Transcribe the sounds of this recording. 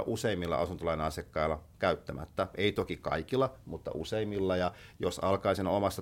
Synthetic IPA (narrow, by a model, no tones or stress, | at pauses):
ʔuseimːilːɑ̰ʔɑ̰sunt̪olɑineɑsiɑkːɑilːɑkæyt̪ːæmæ̰t̪ːæʔeit̪okikɑ̰ikilːˑɑmut̪ːɑ̰ʔuseimːilːɑjɑjosɑlkɑisinomɑst̪ɑ